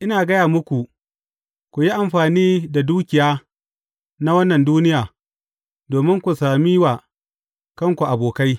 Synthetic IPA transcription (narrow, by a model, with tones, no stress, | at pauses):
ʔɪ˦naː˨ɡɐ˦jaː˨mʊ˦kʷu˨ | kʷu˨ji˦ʔa˨mɸaː˨niː˦da˨duː˦kʲɪ˨jaː˦ | na˦wɐ˦nːɐ˨nduː˦nɪ˦jaː˨ | doː˨mɪ˦ŋkʷu˨saː˨mi˦wa˨ | kɐ˦ŋkʷu˨ʔa˨boː˨ka˦j